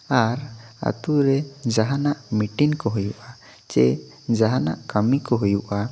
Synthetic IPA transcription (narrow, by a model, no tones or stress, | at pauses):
aɾa̰t̪uɾɛd͡ʒaɦanaʔmiʈiŋkɔɦujuʔa | t͡ʃɛ | d͡ʒaɦanaʔkəmikɔɦujuʔa